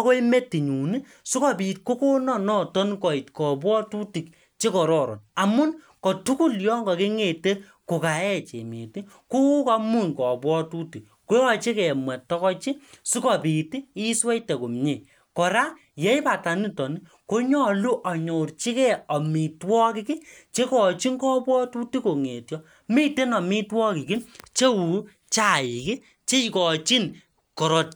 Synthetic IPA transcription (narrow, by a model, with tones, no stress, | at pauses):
ko˦i˦me˦ti˨ɲu˨ni˦ | su˦kɔ˦˨pi˨t̚ko˦ko˦nɔ˦nɔ˦tɔ˦nkɔ˨i˨tkɔ˨bwɔ˦tu˦ti˨k̚ | t͡ʃe˦kɔ˨ɾɔ˦˨ɾɔ̰˨na˨mʊ˦nkɔ˨tu˦ku˦˨ljɔ˦ŋɡɔ˨ke˦ŋe˨te˦ | ko˨ka˨ɛ˦t͡ʃḛ˨mḭ˨ti˦ | ku˦u˦ka˦mu˦˨nkɔ˨bwɔ˦tu˦ti˨k | ko˦jɔ˦t͡ʃe˦kɛ˨mɛ˨tːɔ˦kɔ˦t͡ʃi˦su˦kɔ˨pi˨ti˦i˦swɛ˦jte˨ko˨mɲe˨ | kɔ˨ɾa˦ | je˨˦jpa˨ta˨ni˦tɔ˨ni˦ | ko˦ɲɔ˦˨lu˦ʔɔ˨ɲo˨rt͡ʃi˦kɛ˦ɔ˨mi˨twɔ˦ki˦kɪ˦t͡ʃe˦kɔ˨t͡ʃi˦ŋkɔ˦pwɔ˦tu˦ti˦ko˨ŋe˨tjɔ˦ | mi˦te˦nɔ˨mi˦twɔ˦ki˨kɪ˦nt͡ʃe˦wu˨ | t͡ʃa˦˨i˨ki˦ | t͡ʃe˦˨kɔ˨t͡ʃi˦n | kɔ˨ɾɔ˨t̚